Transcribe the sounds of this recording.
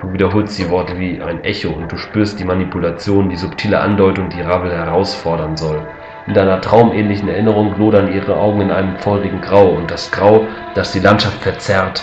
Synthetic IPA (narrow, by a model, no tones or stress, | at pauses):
d̥uːviːdɐɦoːlstd̥iːvɔɐtəviːʔa̰ɪnʔɛçoʊnt̚d̥uːʃpyːɐst̚d̥iːmanipulat͡sjoːndiːzʊptʰiːləʔa̰ndɔʏtʊŋdiːʁabl̩hɛʁaʊsfɔɐɾɐnzɔl | ʔɪnd̥aɪnɐtʁ̥aʊmʔɛːnlɪçn̩ɛɐʔɪnəʁ̞ʊŋɡloːɾɐniːʁəʔa̰ʊɡŋ̩ɪnʔaɪnəmfɔʏʁɪɡŋ̩ɡʁaʊʊnt̚d̥asɡ̥ʁaʊ | d̥asd̥iːlantʃaftfɛɐt͡sɛʁt